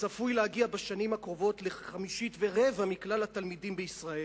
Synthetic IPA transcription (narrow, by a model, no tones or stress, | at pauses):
safujlehaɡiabeʃanimhakʁo̞vo̞t̪leχamiʃitve̞ʁevamiklalhat̪almidimbeissʁae